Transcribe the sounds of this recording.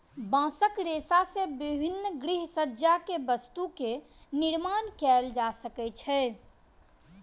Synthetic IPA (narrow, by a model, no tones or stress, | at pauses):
bãsəkɾesasebibʱinːɡɾiɦsəd͡ʒakebəst̪uke | niɾmankɛld͡ʒasəkɛt͡ʃʰɛ